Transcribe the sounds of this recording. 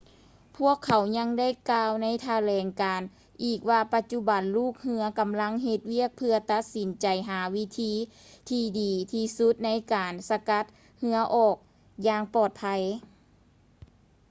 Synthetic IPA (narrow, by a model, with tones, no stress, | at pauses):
pʰu˥˩əkʰːa˨˦wɲa˧˥ŋda˥˩˨jkaː˧wna˧˥jt̪ʰa˧lɛː˨˦ŋkaː˨˩n | ʔiː˨˩k̚waː˧pa˧t̪̚t͡ɕu˧˥ba˨˩nluː˥˩k̚hɯ˧˥ɐka˨mla˧˥ŋɦe˧t̪̚wi˥˩ək̚pʰɯ˧ɐt̪a˧˥t̪̚si˨˦nt͡ɕa˨˩jɦaː˩˦wi˦˧˥t̪ʰiː˧˥ | t̪ʰiː˧diː˨˩t̪ʰiː˧su˧˦˥t̪̚na˧˥jkaː˨˩nsa˧ka˧˥t̪̚ | hɯ˧˥ɐʔɔː˧˩k̚ | jaː˧ŋpɔː˨˩t̪̚pʰa˧j